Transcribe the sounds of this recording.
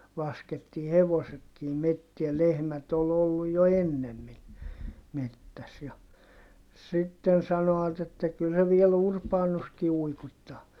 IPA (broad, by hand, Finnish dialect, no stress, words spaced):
lɑsketːiː heʋosetkiː metːiæ lehmæt ol olːuj jo enːemːin metːæs jɑ sitːen sɑnoɑt etːæ kyl se ʋiel urpɑːnuski uikuĭtːɑː